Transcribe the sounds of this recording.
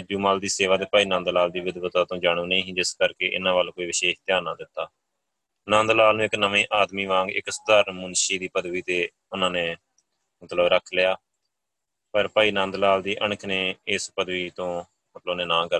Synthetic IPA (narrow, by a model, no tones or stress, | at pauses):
d͡ʒuːmaːld̪iːseːʋaːd̪eːpaːiːnãːnd̪laːld̪iːʋɪd̪ʋət̪aːt̪õːd͡ʒaːɽ̃ũːnəĩːɦĩːd͡ʒɪskəɾkeːʔɪ̰nãːʋaːlːkoːiːʋɪʃeːʃt̪jaːnãːd̪ɪt̪ːaː | nãːnd̪laːlnũːɪknəʋẽːʔaːd̪miːʋãːŋɡɪ̰ksʊd̪aːɾənmʊnʃiːd̪iːpəd̪ʋiːt̪eː | ʊnãːneː | mət̪ləbɾəkʰlɪjaː | pəɾpaːiːnãːnd̪laːld̪iːʔəɳ̃əkʰneːɪspəd̪ʋiːt̪õː | mət̪loːneːnãːkəɾ